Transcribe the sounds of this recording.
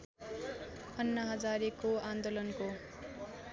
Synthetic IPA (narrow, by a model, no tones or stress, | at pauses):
ʌnːʌɦʌd͡zaɾekoand̪olʌnko